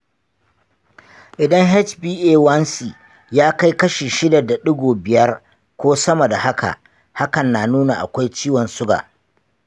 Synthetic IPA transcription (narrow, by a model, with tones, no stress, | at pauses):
ʔɪ˨dɐ˦ŋɦɛ˦t͡ʃbiː˦ʔeː˦wɐ˦nsi˨ | jaː˦ka˦jkɐ˦ʃeː˨ʃɪ˦da˨da˨ɗʊ˦ɡʷoː˨bɪ˨jɐ˦r | kʷoː˦sɐ˦mɐ˨da˨ha˦ka̰˨ʔ | ha˦kɐ˨nːaː˨nuː˦na˨ʔa̰˨kʷa˦jt͡ʃiː˦wɔ˨nsʊ˦ɡa̰ː˨